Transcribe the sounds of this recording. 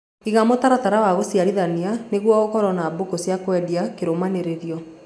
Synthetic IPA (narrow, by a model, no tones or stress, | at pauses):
iɣamotaɾataɾawaɣosjaɾiðanianeɣwɔɣokɔɾɔnabokosjakwɛdiakeɾomaneɾeɾjɔ